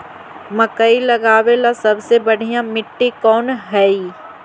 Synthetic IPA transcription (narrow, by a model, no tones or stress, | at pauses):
mɐkəilɐɡaːwelasɐbsebɐɽ̤ʱijãmɪʈːekɔːnɦɛi